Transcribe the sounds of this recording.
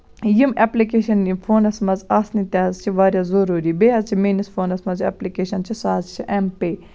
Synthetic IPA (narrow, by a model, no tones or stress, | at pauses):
jimeplikeːʃɐnifʰoːnɐsmɐzaːsnit̪aːzt͡ʃʰiʋaːɾjazɐɾuːɾiːbeːɦɐzt͡ʃʰimiːnisfʰoːnɐsmɐzḛːplikeːʃɐnt͡ʃʰisaːzt͡ʃʰiʔempeː